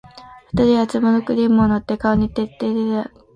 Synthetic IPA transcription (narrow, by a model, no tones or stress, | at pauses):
ɸɯ̟̥t̪aɾʲiat͡sɨmonokɯ̟ɾʲimɯonot̪ːekaoɲ̟it̪ːet̪ːet̪ea